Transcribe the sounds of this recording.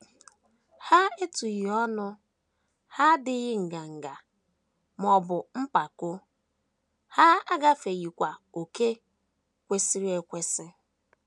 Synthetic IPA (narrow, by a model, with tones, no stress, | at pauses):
ha˦e˦tu˨ɣi˨ɔ˦nʊ˦ | ha˦dɪ˦ɣɪ˦ŋ̩˨ɡa˨ŋ̩˨ɡa˨ | m˨ɔ˨bʊ˨m̩˦pa˨kʊ˦ | ha˦a˦ɡa˦fe˨ɣi˨kʷa˨o˨ke˦ | kʷe˦si˦ɾi˦e˨kʷe˦sɪ˦